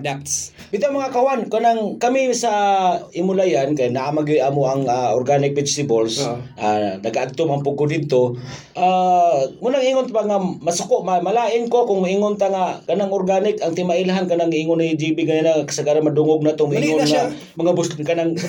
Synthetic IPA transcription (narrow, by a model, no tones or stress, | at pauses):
dak̚t̪s | bɪt̪amaŋakawankanaŋkamɪsaɪmʊlajankajnaʔamaɡʊd̪aːmoʔaŋaʔoɾɡanɪk̚pɪd͡ʒsɪbolsʔanɐɡaʔaɡ̚t̪omaŋpʊɡodɪd̪̚t̪oʔa | mʊnaŋiːŋʊnt̪baŋamɐsʊkoʔmamalaːʔɪnkokʊŋmʊʔiŋʊnt̪aŋakɐnaŋoɾɡanɪkʔaŋt̪ɪmaʔɪlɦankanaŋiːŋʊnid͡ʒibiɡananaŋakɐ̥saɡaɾanmadʊŋoɡ̚nat̪oŋmʊʔiŋʊnŋa | mɐŋabʊskanaŋ